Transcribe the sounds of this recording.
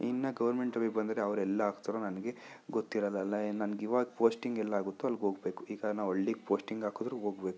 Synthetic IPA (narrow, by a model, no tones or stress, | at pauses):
inːɐɡɐʋɐɾmeɳʈɐʋibɐnd̪ɐɾeɐʋɾɛlːɐaːɡt̪ɐɾonɐnɡe̞ | ɡot̪ːiɾɐlːɐːlːɐnɐnɡiːʋaːɡpoːsʈiŋɡɛlːɐaːɡut̪ːuɐlɡɦo̞ːɡbe̞ːkuiːɡanaːʋoɭːeɡpoːsʈiŋɡaːkod̪ɾuɦo̞ːɡbe̞ːku